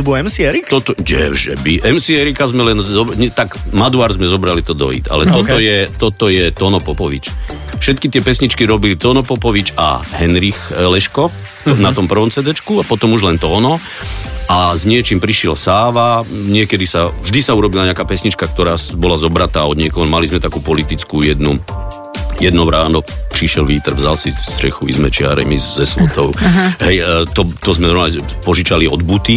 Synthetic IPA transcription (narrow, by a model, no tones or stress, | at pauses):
bɔɛmsiɛɾikt̪ɔt̪ɔɟɛ̰vʒɛ̰biʔɛmsiɛɾikazmɛlɛnzɔbɲɛt̪aɡmad̪uaːɾzmɛzɔbɾalit̪ɔd̪ɔ̰ḭt̪a̰lɛt̪ɔt̪ɔjɛt̪ɔt̪ɔjɛt̪ɔnɔpɔpɔʋḭt͡ʃ | fʃɛt̪kit̪ɪɛpɛsɲit͡ʃkiɾɔbilit̪ɔnɔpɔpɔʋit͡ʃa̰ɦɛnɾixlɛʃkɔ | nat̪ɔmpr̩ʋɔmt͡sɛd̪ɛt͡ʃkuapɔt̪ɔmuʒlɛnt̪ɔːnɔ | ʔazɲɪɛt͡ʃimpɾiʃɪɛlsaːʋaɲɪɛkɛd̪isavʒd̪isauɾɔbilaɲɛakaːpɛsɲit͡ʃkak̚t̪ɔɾaːsbɔlazɔbɾat̪aːɔd̪ɲɪɛkɔɦmalizmɛt̪akuːpɔlit̪it͡skujɛd̪nu | jɛd̪nɔɾaːnɔpɾiʃɪɛlʋiːt̪ɛr̩vzalsist̪ɾɛ̰xuizmɛt͡ʃɪa̰ɾɛ̰mizzɛslɔt̪ɔʊɦɛjt̪ɔt̪ɔzmɛɔa | pɔʒit͡ʃaliɔd̪but̪i